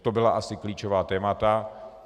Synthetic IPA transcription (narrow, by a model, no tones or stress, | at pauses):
t̪obɪlaʔasɪkliːt͡ʃovaːt̪ɛːmat̪a